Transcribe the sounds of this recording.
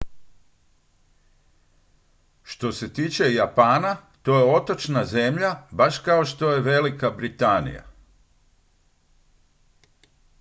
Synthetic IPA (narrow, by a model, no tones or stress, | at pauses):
ʃt̪o̞se̞t̪iːt͡ʃe̞japaːnat̪o̞je̞o̞t̪o̞t͡ʃnaze̞mʎabaʃkao̞ʃt̪o̞je̞ʋe̞likabɾit̪anḭja̰